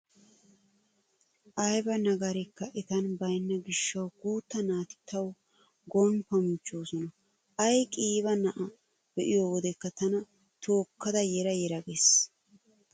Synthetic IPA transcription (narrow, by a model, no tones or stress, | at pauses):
ʔɐjbɐnɐɡɐɾɛkːɐʔɛt̪ɐnbɐjnːɐɡɪʃːɐwɡ̥uːt̪ːɐnaːt̪ɪ̥t̪ːɐw | ɡɔnpɔmɪt͡ʃːoːsɔnɐ | ʔɐjkʼiːβɐnɐʔɐ | b̥ɛʔɪjowɔd̪ɛkːɐt̪ɐnɐ | t̪ʰo̞ːkːɐd̪ɐjɛɾɐjɛɾɐɡes